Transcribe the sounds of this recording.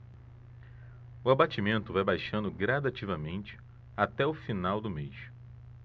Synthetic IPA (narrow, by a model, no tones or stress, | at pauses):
ʊabat͡ʃimẽnt̪ʊvajbajʃɐ̃nd̪ʊɡɾad̪at͡ʃivɐmẽnt͡ʃɪ̥ | at̪ɛʊfinawd̪ʊmejʃ